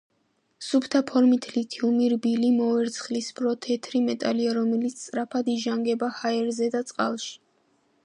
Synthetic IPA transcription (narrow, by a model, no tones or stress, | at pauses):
supʰt̪ʰapʰɔɾmit̪ʰlit̪ʰiumiɾbilimɔɛɾt̪sʰχlisbɾɔt̪ʰɛt̪ʰɾimɛt̪ʼa̰liaɾɔmɛlit̪st̪ʼɾapʰad̪iʒaŋɡɛbahaɛɾzɛd̪at̪sʼqʼa̰lˠʃi̥